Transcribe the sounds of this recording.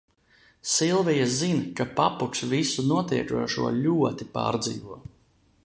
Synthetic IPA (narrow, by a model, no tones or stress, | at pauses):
silˠvijazinkapapuksvisunuɔt̪iɛt͡ʃṵɔʃṵɔlʲuɔt̪ipa̰ːɾd̪zḭːvuɔ